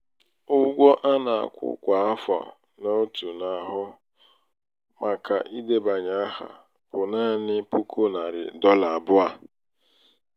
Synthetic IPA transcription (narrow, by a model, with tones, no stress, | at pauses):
ʊ˦ɡʷɔ˦ʔa˦na˨a̰˨kʷʊ̰˨kʷa˨a˦fa̰˨ | no˦tu˨na˨ɦʊ˦ | ma˨ka˨ʔi˦de˦ba˨ɲa˦a˦ha̰˨ | b̥ʊ˨na˦˨nɪ˦pu˦kʰo˦na˨ɾɪ̰˨dɔ˦la˨a˨bʊ˦a˦